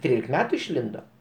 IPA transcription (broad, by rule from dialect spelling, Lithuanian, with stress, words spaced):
tʲɪk ˈtʲrʲiːlʲɪk ˈmʲæːtʊ ɪʃʲˈlʲɪndoː